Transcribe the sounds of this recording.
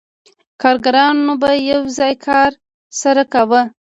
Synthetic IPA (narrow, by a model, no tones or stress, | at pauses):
kɑɾɡaɾɑnobajawzɑjkʰɑɾ | saɾakawə